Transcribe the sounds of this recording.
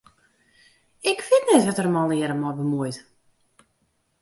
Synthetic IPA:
ɪkfɪtnɛtʋɔtərəmɔlˠnɪəɾəmɔbəmuəjt

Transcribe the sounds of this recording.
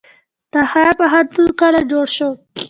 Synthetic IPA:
t̪axapaɦant̪unkalad͡ʒoɽʃo

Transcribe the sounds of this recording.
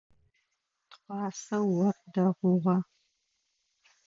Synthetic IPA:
tχʷɑːsɐwɐrdɐʁʷʊʁɐ

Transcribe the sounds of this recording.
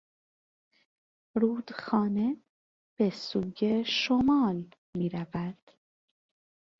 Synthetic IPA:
ɾuːd̪xɒːne̞ | b̥e̞suːjeʃomɒːl | miːɾævæd̪̥

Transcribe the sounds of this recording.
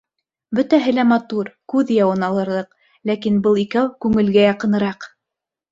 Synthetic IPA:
bɵt̪æɦɘ̆læmɑt̪uɾkʉðjɑwɤ̆nɑlˠɤ̆ɾðɤq | lækinbɤlˠikæwkʉŋɘ̆lɡæjɑqɤ̆nɤ̆ɾɑq

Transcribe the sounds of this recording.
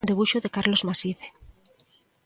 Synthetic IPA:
nd̪e̞βuʃoðekaɾlo̞zmasiðe

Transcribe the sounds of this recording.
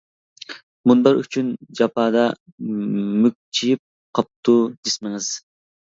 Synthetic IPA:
mund̪ɑɾyt͡ʃʰynd͡ʒɑpʰɑːd̪ɑ | myk̚ʲt͡ʃʰijip̚ | qʰɑp̚t̪ʰud̪esmɪŋɨz̥

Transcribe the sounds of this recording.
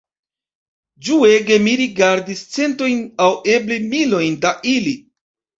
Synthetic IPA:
d͡ʒue̞ɡe̞miɾiɡaɾdist͡se̞nto̞jnawe̞blimilo̞jndaʔili

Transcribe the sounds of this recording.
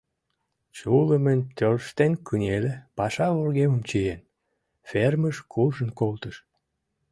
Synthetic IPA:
t͡ɕuləmənʲt̪ørʃt̪enkunʲelepɑʃɑvorɣemə̆mt͡ɕijen | ferməʃkʰuʒənkolt̪əʃ

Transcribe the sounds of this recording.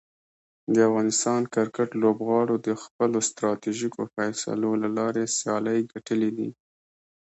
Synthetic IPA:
d̪əafɣɑnɪst̪ɑnkaɾkaʈlobɣɑɽod̪əxpəlost̪ɾɑt̪iʒikofajsa̰lolalɑɾesjɑləjɡaʈəlid̪ḭ

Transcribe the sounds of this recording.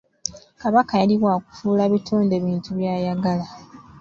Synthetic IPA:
kaβakajaliβwaku̥fuːlaβituːnde̞ːβiːntuβjaːjaɡala

